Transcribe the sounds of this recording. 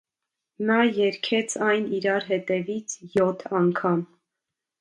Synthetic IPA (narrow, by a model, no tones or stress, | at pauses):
nɑjɛɾkʰɛt͡sʰɑjniɾɑɾɦɛt̪ɛvit͡sʰjɔt̪ʰɑŋkʰɑm